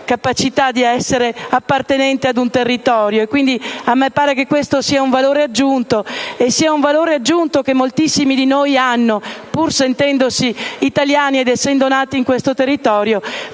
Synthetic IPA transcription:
kapat͡ʃit̪ad̪iɛsːeɾeapːart̪enɛnt̪ead̪unt̪erːit̪ɔːɾjoekːwind̪iamːɛpːaːɾekekwest̪osiːauɱvaloːɾead͡ʒːunt̪oesːiːauɱvaloːɾead͡ʒːunt̪okemːolt̪isːimid̪inoːjanːopursent̪ɛnd̪osiːt̪aljaːniɛd̪ɛsːɛnd̪onaːt̪iːŋkwest̪ot̪erːit̪ɔːɾjo

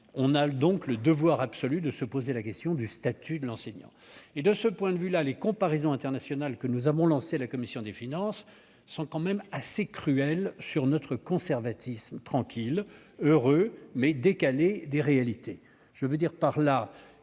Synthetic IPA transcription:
ɔ̃nad̪ɔ̃kləd̪əvwaʁapsɔlyd̪əsəpozelak̬ʲɛst̪jɔ̃d̪yst̪at̪ʰyd̪əlɑ̃sɛɲɑ̰̃ed̪əsəpwɛ̃d̪əvylalekɔ̃paʁɛzɔ̃ɛ̃t̪ɛʁnasjɔnalkənuzavɔ̃lɑ̃sealakɔmisjɔ̃d̪efinɑ̃sː | ɔ̃kɑ̃mɛmasekχyɛlsyʁnɔt̪χəkɔ̃sɛʁvat̪ismt̪χɑ̃kʲʰil | øʁømɛd̪ekaled̪eʁealit̪e | ʒ̥əvød̪iʁpaʁla

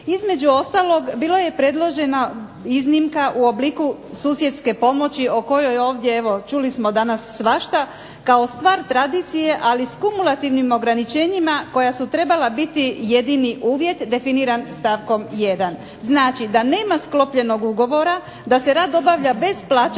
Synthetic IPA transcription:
izme̞d͡ʒuo̞st̪alo̞ɡbiːlˠoje̞pɾe̞d̪lˠo̞ʒe̞na | iznimkaʔuo̞bliːkusuːsje̞t̪ske̞po̞mo̞t͡ɕio̞ko̞jo̞jo̞ːʋd̪je̞eʋo̞t͡ʃulismo̞d̪anasːʋaʃt̪a | kao̞st̪ʋaːɾt̪ɾad̪it̪sije̞ʔaliskumulˠat̪iʋnimo̞ɡɾanit͡ʃeːɲimako̞jasut̪ɾe̞balabit̪ijed̪iniʔuːʋje̞t̪d̪e̞finiːɾanst̪aʋko̞mje̞d̪an | znaːt͡ʃid̪ane̞ːmasklo̞pʎe̞no̞ɡuɡo̞ʋo̞ɾa | d̪ase̞ɾaːd̪o̞baʋʎabe̞zplˠaːt͡ʃ

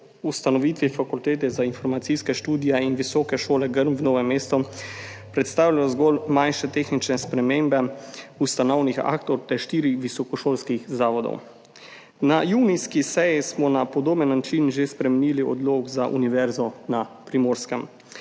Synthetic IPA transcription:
ust̪anɔʋiːt̪ʋifakult̪eːt̪ɛzainfɔɾmat̪siskɛʃt̪uːd̪ijɛinʋisɔːkɛʃoːlɛɡəɾmʋnoːʋɛmːeːst̪ɔ | pɾɛt̪st̪aːwlʲajɔzɡɔlmanʃɛt̪exnit͡ʃnɛspɾɛmembɛust̪anɔwnixa̰kt̪ɔɾt̪ɛʃt̪iːɾiʋisɔkɔʃoːlskixzaːʋɔd̪ɔ̰w | najuːniskisɛjismɔnapɔd̪oːbɛnːat͡ʃinʒespɾɛmɛniːliɔd̪loɡzaʔṵniʋɛɾzɔnapɾimoːɾskɛm

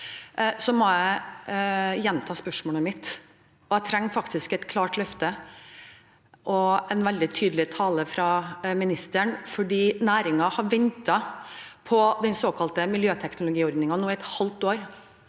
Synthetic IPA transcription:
sɔmɔæɪ | jɛnːt̪ʰɑːspœʂmoːləmɪt̪ | ɔæɪt̪ʰɾɛŋːfɑkt̪ɪskɛt̪kʰlɑːʈlœft̪ə | ʔɔɛnʋɛld̪ɪt̪ʰyːd̪lɪt̪ʰɑːləfɾɑmɪnɪst̪əɳfɔɖiːnæːɾɪŋɑhɑɾʋɛnt̪ɑpʰɔd̪ɛnsoːkʰɑlt̪əmɪljøːt̪ʰɛknʊlʊɡiːɔɾd̪nɪŋɑnuːɪɛt̪hɑlt̪oːɾ

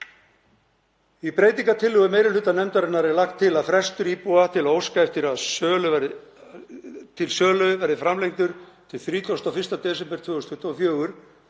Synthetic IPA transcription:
ipɾeːjt̪̬iŋkat̪ʰɪlʏɣʏmejɾɪlʏːt̪ːanɛmt̪aɾɪnaɾɛɾlaxt̪ʰːɪlaðfɾɛst̪ʏɾiːpuat̪ʰɪlowskaɛft̪ɪɾaðsœːlʏɛ | t̪ʰɪlsœːlʏvɛɾðɪfɾamlejŋt̪ʏɾ̥t̪ʰɪlθɾiːt̪ost̪awfɪ̥st̪at̪ɛːsɛmpɛɾ̥t̪ʰvʏːɣʏst̪ʰʏht̪ɔɔfjœːɣʏɾ̥

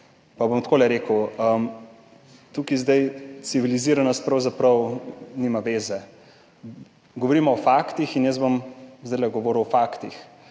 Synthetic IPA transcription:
pabomt̪koːlɛɾeːkəwəm | t̪ukizd̪ajt̪siʋiliziːɾanast̪̚pɾɐwzapɾɔwnimaʋeːzɛ | ɡɔʋoɾiːmɔɔfakt̪ixinjəzbomzd̪ajlɛɡɔʋoːɾəwɔfakt̪ix

